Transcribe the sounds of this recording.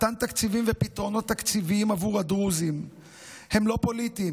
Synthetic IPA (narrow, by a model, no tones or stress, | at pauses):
t̪ant̪akt͡sivimvepit̪ʁo̞no̞t̪ːakt͡siviimavuʁad̪ʁuzim | he̞mlo̞po̞lit̪im